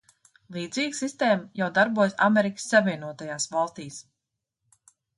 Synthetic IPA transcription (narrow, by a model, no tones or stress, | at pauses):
lˠiːd̪ziːɡsist̪eːmjawd̪aɾbuɔjsameɾikə̥sːavʲiɛnuɔt̪ajaːsvɑlˠst̪iːs